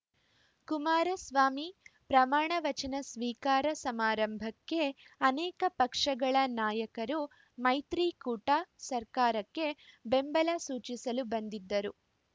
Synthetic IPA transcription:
kumaːɾɐsʋaːmipɾɐmaːɳɐʋɐt͡ʃɐnɐsʋiːkaːɾɐsɐmaːɾɐmbʱɐkːe̞ɐnɛːkɐpɐkʂɐɡɐɭɐnaːjɐkɐɾu | mɐjt̪ɾiːkuːʈasɐɾkaːɾɐkːe̞be̞mbɐlɐsuːt͡ʃisɐlubɐnd̪id̪ːɐɾu

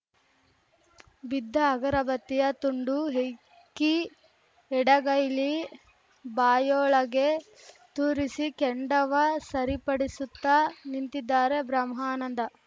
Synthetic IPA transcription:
bid̪ʱːɐːɡɐɾɐbɐt̪ːijɐt̪uɳɖuɦe | kːi | ɛɽɐɡɐjli | baːjoːɭɐɡe̞ | t̪uːɾisikɛɳɖɐʋɐsɐɾipɐɽisut̪ːanint̪id̪ːaːɾebɾɐmɦaːnɐnd̪ɐ

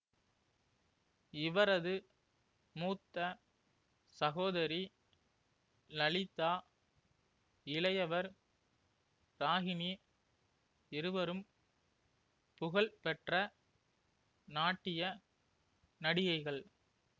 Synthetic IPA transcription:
ɪʋɐɾɐðɯ | muːt̪ːɐ | sɐɣoːðɐɾi | nɐɭɪt̪ːaː | ɪlɐjɐʋɐɾ | ɾaːɣɪni | ɪɾɯʋɐɾɯm | pʊɣɐɭpɛʈrɐ | naːʈːɪjɐ | nɐɽɪjɐɪɣɐɭ

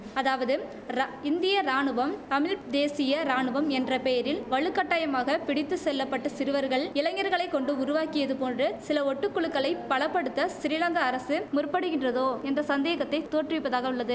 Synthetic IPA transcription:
ɐðaːʋɐðɯ | ɾɪnd̪ɪjɐɾaːɳɯʋɐmt̪ɐmɪɻd̪eːsɪjɐɾaːɳɯʋɐmɛndrɐpɛjɐɾɪlʋɐɭɯkːɐʈːaːjɐmaːɣɐpɪɽɪt̪ːɯsɛlːɐpːɐʈːɐsɪɾɯʋɐɾɣɐɭɪlɐŋɐɾɣɐɭɐɪkːɔɳɖɯʊɾʊʋaːkɪjɐðɯpoːndrɯsɪlɐɔʈːɯkːʊɭɯkːɐɭɐɪpːɐɭɐpːɐɽɯt̪ːɐsɪɾɪlɐŋɡɐːɾɐsɯmʊrpːɐɽɯɣɪndrɐðoːɛnd̪ɐsɐnd̪eːɣɐt̪ːɐɪt̪ːoːʈrɯʋɪpːɐðaːɣɐʊɭːɐðɯ

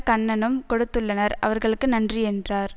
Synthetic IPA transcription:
kɐɳːɐnɯmkɔɽɯt̪ːɯɭːɐnɐɾɐ̰ʋɐɾɣɐɭɯkːɯnɐndriɛndraːɾ

